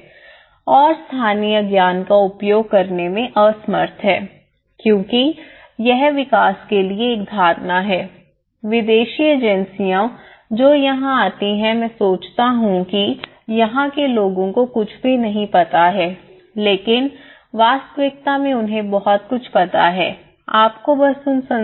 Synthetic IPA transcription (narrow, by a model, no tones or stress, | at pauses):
ɔːɾst̪ʰaːnijəɡjaːnkaʊpjoːɡ̚kɐɾnemẽʔɐsmə̰ɾt̪ʰɦɛː | kjõːki | jɛɦʋɪkaːskelieːk̚d̪ʱaːɾnaɦɛː | ʋɪd̪eːʃieːd͡ʒənsijã | d͡ʒoːjɐɦãaːt̪iɦɛ̃mɛ̃ːsoːt͡ʃt̪aɦũki | jɐɦãkeloːɡõkokʊt͡ʃʰbʱinɐɦĩpɐt̪aɦɛː | leːkɪn | ʋaːst̪ʋɪk̚t̪amẽʊnɦẽbɔɦɔt̪̚kʊt͡ʃʰpɐt̪a̰ɦɛː | aːpkobɐsʊnsɐ̃